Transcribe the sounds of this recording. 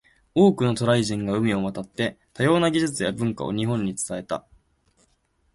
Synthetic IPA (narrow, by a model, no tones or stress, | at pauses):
o̞ːkɯ̟no̞t̪o̞ɾaiʑĩŋɡaɯ̟mʲio̞mat̪at̪ːe̞t̪ajo̞ːnaɡʲiʑɨt͡sɨjabɯ̟̃ŋka̰o̰ɲ̟iɦõ̞ɲ̟ːit͡sɨ̥t̪ae̞t̪a̰